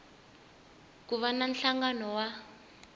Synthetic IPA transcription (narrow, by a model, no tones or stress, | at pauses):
kuβananɬaŋɡanɔwa